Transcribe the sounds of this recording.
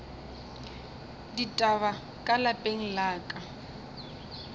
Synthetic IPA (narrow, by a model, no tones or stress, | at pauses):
ditʼaβa | kʼalapʼeŋ̩laːkʼa